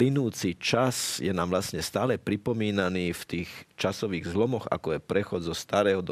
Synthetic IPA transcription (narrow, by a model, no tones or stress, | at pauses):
linuːt͡sit͡ʃasjɛnaːmʋlasɲɛst̪aːlɛpɾipɔmiːnaniːft̪iːxt͡ʃasɔʋiːɣzlɔmɔɣa̰kɔjɛpɾɛxɔd̪zɔst̪aɾɛːɦɔd̪